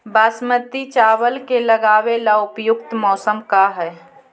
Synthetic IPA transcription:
baːsmət̪it͡ʃaːwəlkeləɡaːwelaʊpjʊkt̪mɔːsəmkaɦɛː

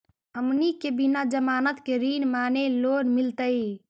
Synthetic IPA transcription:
ɦəmnikebinad͡ʒəmaːnət̪keɾinmaːnelonmilt̪əj

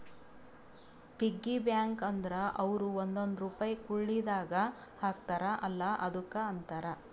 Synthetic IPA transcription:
piɡːibjaːŋkɐnd̪ɐɾɐʔɐʋɾuond̪ond̪ɾuːpajikuɭːid̪aːɡɐ | haːk̚t̪aɾɐʔɐlːɐʔɐd̪ukːɐːnt̪aɾɐ

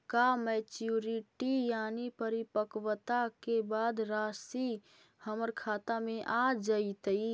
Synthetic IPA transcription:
kamɛt͡ʃuɾiʈijanipəɾipəkwt̪akebad̪ɾasi | həməɾkʰat̪ameʔad͡ʒəit̪əi

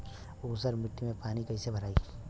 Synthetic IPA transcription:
uːsəɾmɪʈːimẽpaːnikɐisebʱəɾaːiː

